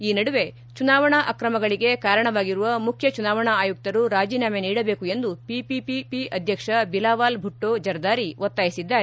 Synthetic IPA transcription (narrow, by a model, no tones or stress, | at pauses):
iːnɐɽuʋe̞ | t͡ʃunaːʋɐɳɐʔɐkɾɐmɐɡɐɭiɡe̞kaːɾɐɳɐʋaːɡiɾuʋɐmukʰjɐt͡ʃunaːʋɐɳɐaːjuk̚t̪ɐɾuɾaːd͡ʒiːnaːmeniːɽɐbeːkue̞nd̪upipipipiʔɐd̪ʱjɐkʂɐbilaːʋaːlbʱuʈːoːd͡ʒɐɾd̪aːɾiʋot̪ːaːjisid̪ːaːɾ